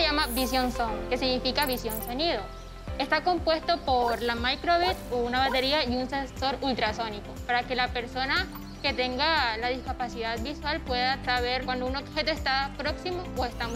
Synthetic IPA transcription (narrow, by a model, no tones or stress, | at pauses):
ʝamabisjo̞nsoŋke̞siɣnifikaβisjo̞nso̞niðo̞ | e̞st̪ako̞mpwe̞st̪o̞poɾlamajkɾoβit̪ounaβat̪e̞ɾiaiunsenso̞ɾult̪ɾaso̞niko̞paɾake̞lape̞ɾsona | ke̞t̪e̞ŋɡalaðiskapasiðaðbiswalpwe̞ðat̪ɾaβe̞ɾkwand̪ouno̞bxe̞t̪oest̪apɾo̞ksimooest̪am